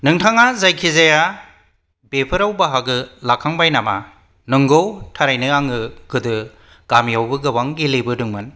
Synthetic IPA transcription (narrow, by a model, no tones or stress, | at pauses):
nɯŋtʰaŋazajkʰizaja | bepʰɯɾawbaɦaɡɯlakʰːaŋbajnama | nɯŋɡowtʰaɾajnɯaŋɯɡ̥ɯdɯ | ɡ̥amijawbɯɡɯwaŋɡilebɯdɯŋmɯn